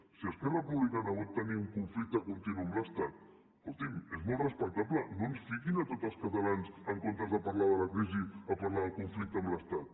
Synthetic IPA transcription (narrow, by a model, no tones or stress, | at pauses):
siəskɛrəpuβlikanaβɔt̪ːəniuŋkuɱflik̚t̪əkunt̪inuəmləst̪at̪̚ | kulˠt̪imezmolˠtrəspək̚t̪aplənonsfikinət̪ot̪əlˠskət̪alansəŋkont̪əzðəparlaðələkɾiziəpaɾlaðəlˠkuɱflik̚t̪əmləst̪at̪̚